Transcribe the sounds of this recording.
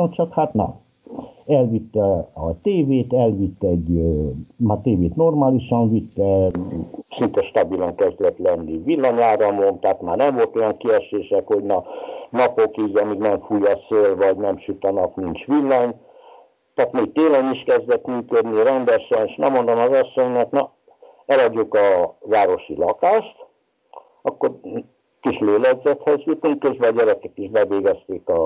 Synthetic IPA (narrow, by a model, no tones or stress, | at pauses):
omt͡ʃɒkhat̪nɒ̰ | ɛlʋit̪ːɛɒt̪eːveːt̪ɛlʋit̪ːɛɟ | maːrt̪eːveːt̪no̞rmaːliʃɒɱvit̪ːɛ | sint̪ɛʃt̪ɒbilɒŋkɛzd̪lɛt̪lɛnːivilːɒɲaːɾɒmont̪aːt̪maːrnɛɱvo̞lt̪o̞jɒŋkiɛʃeːʃɛkho̞ɟnɒnɒpo̞kiːɟɒmiːɡnɛɱfujːɒseːlvɒɟnɛmʃyt̪ɒnɒknint͡ʃʋilːɒɲ | t̪aːt̪miːt̪eːlɛniʃkɛzd̪ɛt̪myːkød̪niɾɛnd̪ɛʃɛneʃnɛmːond̪omɒzɒsːoɲnɛk̪nɒ | ɛlɒɟːokɒvaːɾo̞ʃilɒkaːʃt̪ | ɒkːo̞ɾ | kiʃleːlɛɡzɛt̪hɛzjyt̪uŋkezbɛɒɟɛɾɛkɛkiʒbɛveːɡɛst̪eːkɒ